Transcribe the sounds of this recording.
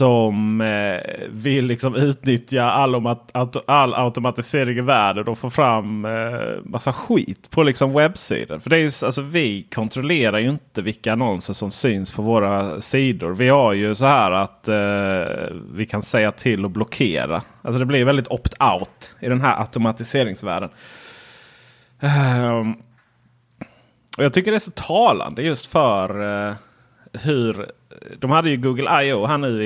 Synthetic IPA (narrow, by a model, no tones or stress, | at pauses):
sɔm | vɪlːɪksɔmʉ̟ːt̪nʏt̪jaalːɔaalːa̰ʊt̪ʊmat̪ɪseːɾɪɡɪvæːɖəd̪ɔfoːɾfɾam | masːaɧḭːt̪pʰɔlɪksɔmwɛbsḭːd̪ə̰nfœɖɛːjɵalsɔvɪkʰɔnt̪ʰɾɔleːɾaɾjɵɪnt̪əvɪlkːaːnɔnsəʂɔmsyːnspʰɔvoːɾasiːd̪ʊ̰ɾvɪhaɾjɵsɔhæːɾat̪ | vɪkʰansɛjːat̪ʰɪlːɔblɔkʰḛːɾa̰ | als̬ɔd̪ɛblɪɾjvɛld̪ɪt̪ʰɔpt̪ʰaʊt̪ɪd̪ɛnɦæːɾʔa̰t̪ʊmat̪ɪseːɾɪŋsvæ̰ːɖən | ɔjɑːɡ̚t̪ʏkːəɖɛæʂsɔt̪ʰɑːla̰nd̪əjɵst̪fœɾ | hɵɾ | d̪ɔmhad̪ːəjɵɡuːɡəlʔajoɦaɳʉ